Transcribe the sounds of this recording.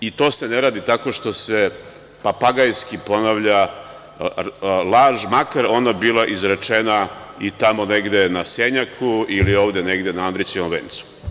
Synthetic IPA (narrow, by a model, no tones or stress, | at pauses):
it̪o̞ːse̞neɾaːd̪it̪ako̞ʃt̪o̞se̞ | papaɡajskipo̞naʋʎa | lˠaʒmakaɾo̞nabilaʔizɾet͡ʃenait̪amo̞ne̞ɡd̪e̞naseɲakʰuilio̞ːʋd̪ene̞ɡd̪enaand̪ɾit͡ʃiomʋḛːnt̪su̥